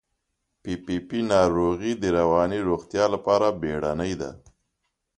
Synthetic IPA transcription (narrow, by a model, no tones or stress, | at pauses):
pipipinɑɾoɣid̪əɾawɑniɾoɣt̪jɑlapɑɾabeɽanəjd̪a̰